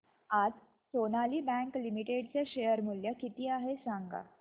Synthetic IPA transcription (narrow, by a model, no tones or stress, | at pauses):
ad͡z | sonaliːbæ̃ŋklimiʈeɽt͡seɕejəɾmuljəkit̪iːaɦesãŋɡa̰